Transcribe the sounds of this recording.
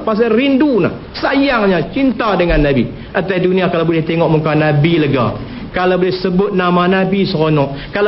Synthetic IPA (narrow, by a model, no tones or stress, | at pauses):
pas̬arinduna̰h | sajaŋɲat͡ʃint̪adəŋanːabḭ | ʔat̪aiduniakalabolɛht̪eŋɔʔmukanabiləɡa̰ | kalabolɛhsəbʊt̪̚namanabisəɣonɔʔkal